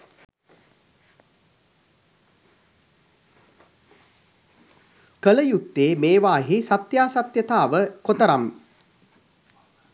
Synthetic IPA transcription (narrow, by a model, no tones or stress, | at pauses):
kələjut̪ːeːmeːʋaːɦisat̪jaːsat̪jət̪aːʋəkot̪əɾam